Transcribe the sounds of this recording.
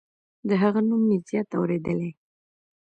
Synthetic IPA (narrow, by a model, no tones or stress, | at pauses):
d̪əɦaɣanumːezijɑt̪awɾed̪əle